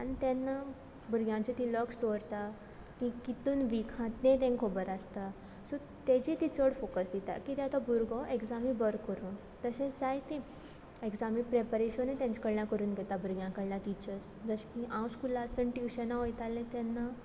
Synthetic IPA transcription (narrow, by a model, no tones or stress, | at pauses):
anit̪ɛnːa | buɾɡjãt͡ɕet̪ĩləkst̪oɾt̪a | kikit̪uːnʋikʰãt̪nẽt̪ẽŋkʰobəɾast̪a | su | t̪ed͡ʑit̪it͡səɽfokəsd̪it̪a̰kit̪ɛat̪abuɾɡɔʔeksamibəɾkːəɾuːn | t̪əɕẽd͡zajt̪ẽ | eksamipɾepəɾeɕənet̪jãɲt͡ɕikəɽlãkəɾuːnɡɛt̪abuɾɡjãkəɽlãt̪it͡ɕəs | d͡zəɕkiʔãwskulast̪ənʈjuɕənaʋəjt̪alːẽt̪ɛnːa